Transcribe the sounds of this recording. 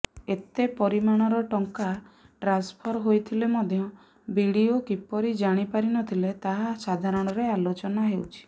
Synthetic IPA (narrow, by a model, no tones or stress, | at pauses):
et̪epɔɾimaɽ̃ɔɾɔʈɔŋka | ʈɾanspʰɔɾɦojt̪ʰilemɔd̪ʱjɔ | biɽiokipɔɾid͡ʒaɽ̃ipaɾinɔt̪ʰilet̪aɦasad̪ʱaɾɔɽ̃ɔɾealot͡ʃɔnaɦewt͡ʃʰi̥